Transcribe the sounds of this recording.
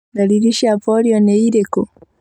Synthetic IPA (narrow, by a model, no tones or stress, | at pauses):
laliɾiʃapɔliɔnɛiɾɛkɔ